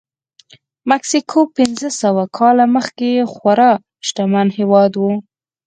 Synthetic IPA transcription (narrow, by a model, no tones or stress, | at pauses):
maksikʰopɪnzəsawakʰɑlaməxkexwaɾɑ | ʃʈamanhewɑd̪wu